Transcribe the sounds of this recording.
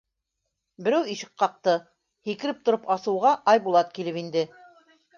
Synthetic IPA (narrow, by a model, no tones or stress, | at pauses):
bɘ̆ɾæwiʃɤ̥̆q̚qːɑq̚t̪ɤ | hikɘ̆ɾɘp̚t̪ŏɾɤpɑsɤ̆wʁɑʔɑjbulˠɑt̪̚kilɘpind̪ɘ